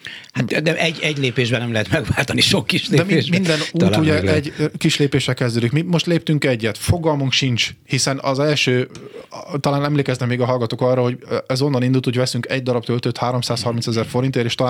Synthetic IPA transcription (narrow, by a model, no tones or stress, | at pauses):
hat̪d̪ɛʔɛɟːɛɟleːpeːʒbɛnɛmlɛɦɛt̪mɛɡʋaːlt̪ɒniʃokkːiʃled̪ɛmeʒmind̪ɛnuːuɟɛɛɟkiʃleːpeːʃɛlkɛzd̪øːd̪ikmimoʃt̪leːp̚t̪yŋkɛɟːɛt̪fo̞ɡɒlmuŋkʃint͡ʃhisɛnɒ̰zɛlʃøː | t̪ɒlaːnɛmleːkɛznɛkmeːɡɒɦɒlɡɒt̪oːkɒrːɒhoɟɛzo̞nːɒnind̪ult̪ho̞ɟvɛsyŋkɛɟd̪ɒɾɒbt̪ølt̪øt̪haːɾo̞msaːshɒrminsɛzɛrfo̞ɾint̪eːɾeːʃt̪ɒla